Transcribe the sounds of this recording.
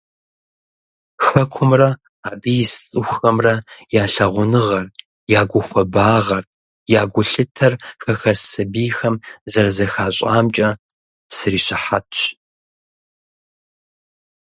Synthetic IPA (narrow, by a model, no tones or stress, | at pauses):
xɐkʷʰʊmrɐ | aːbijst͡sʼɨxʷxɐmrɐjaːɬɐʁʷʊnɨʁɐr | jaːɡʷʊxʷɔbaːʁɐr | jaːɡʷʊɬɨtʰɐrxɐxɐsɐbiːxɐmzɐrzɐxaːɕʼaːmt͡ʃʼɐ | sɨriːɕɪħatʰɕ